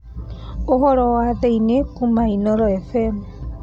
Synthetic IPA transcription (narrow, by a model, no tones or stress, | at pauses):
ohɔɾɔwaðeinekumainɔɾɔɛfɛmu